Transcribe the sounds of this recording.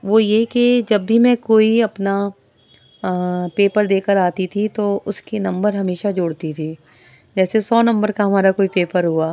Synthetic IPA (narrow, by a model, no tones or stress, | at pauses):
ʋojeked͡ʒɐbːʱimɛ̃koːiɐpna | peːpəɾd̪eːkəɾaːt̪it̪ʰit̪oʊskenɐ̃mbəɾɦɐmeːʃad͡ʒoːɽt̪it̪ʰiː | d͡ʒɛːsesɔːnɐ̃mbəɾkaɦɐmaːɾakoːipeːpəɾɦuaː